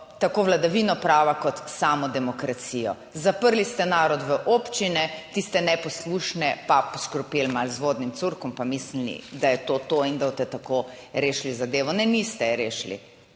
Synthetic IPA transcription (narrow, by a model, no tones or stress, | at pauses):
t̪akoːʋlad̪aʋinɔpɾaːʋakɔt̪saːmɔd̪ɛmɔkɾat̪sijɔ | zapəɾlist̪ɛnaːɾɔd̪ʋəʔoːpt͡ʃinɛt̪ist̪ɛnɛpɔsluʃnɛpapɔʃkɾɔpelmalzʋoːd̪nimt̪suɾkɔmpamisnḭd̪ajɛt̪ot̪oind̪aot̪ɛt̪ako | ɾeːʃlizad̪eːʋɔnɛnist̪ɛɾeːʃlḭ